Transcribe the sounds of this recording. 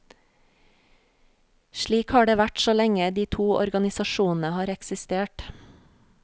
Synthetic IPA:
ʃɭiːkhɑːɖeːʋæʈsoːlɛŋəd̪iːt̪ʰuːʔɔ̰ɾɡɑnɪsɑʃuːnn̩əhɑːɾɛksɪst̪eːʈ

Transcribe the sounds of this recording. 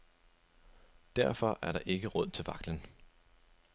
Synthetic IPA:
d̥æɐfɒ̽ʔæɐɾɑ̈ʔe̝ɡ̥əʁɔð̰ˠt͡sʰe̝lʋɑ̈ɡ̥lən

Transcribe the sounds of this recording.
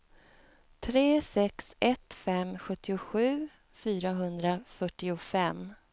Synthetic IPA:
t̪ʰɾeːsɛksɛt̪fɛmɧɵt̪ʰːɪʊɧʉ̟ː | fyːɾaɦɵnd̪ɾafœʈːɪʊfɛm

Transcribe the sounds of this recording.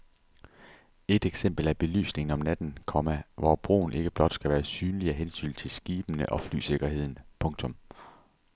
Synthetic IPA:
e̝d̥eɡ̥sem̰b̥l̩æb̥e̝ly̰ːsne̝ŋn̩ɒ̽mnæd̥n̩kʰɒ̽mæʋɒb̥ʁo̝̰ːn̩ʔe̝ɡ̥əb̥lɒ̽d̥sɡ̥æʋæːɐsyːnliæɦensy̰nt͡sʰe̝lsɡ̥iːb̥ənəʔɒ̽fly̰ːse̝ɡ̥ɐɦe̝ð̞̰ˠn̩pʰɔ̽ŋt͡sʰɔ̽m

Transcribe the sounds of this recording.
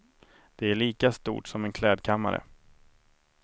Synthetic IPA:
d̪̥ɛæɭiːkast̪ṵːʈsɔmɛnkʰlɛːd̪kʰamːa̰ɾə̰

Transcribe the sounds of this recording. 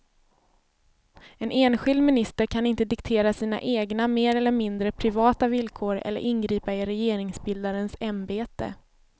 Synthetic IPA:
ɛnʔeːnɧɪld̪mɪnɪst̪əɾkʰanɪnt̪əd̪ɪkt̪ʰeːɾasiːna̰ʔeːɡnameːɾɛlːəɾmɪnd̪ɾəpʰɾɪvɑːt̪avɪlkʰoːɾɛ̰lːə̰ɾʔɪnɡɾiːpaɪɾɛjeːɾɪŋsbɪld̪aɾənsambeːt̪ə̰

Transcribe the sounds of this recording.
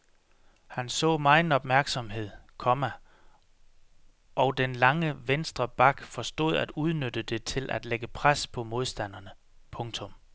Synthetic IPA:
hænsɔ̰̽ːmɑ̈ɪn̩ɒ̽b̥mæɐɡ̥sɒ̽mɦe̝ð̞̰ˠkʰɒ̽mæ | ʔɒ̽ʊd̥enlɑ̈ŋəʋensd̥ʁɐb̥ɑ̈ɡ̥fɒ̽sd̥o̝̰ð̞̰ˠæd̥uð̞ˠnød̥əd̥e̝t͡sʰe̝lʔæd̥leɡ̥əpʰʁaspʰɒ̽mo̝ð̞ˠsd̥æn̰ɐnə | pʰɔ̽ŋt͡sʰɔ̽m

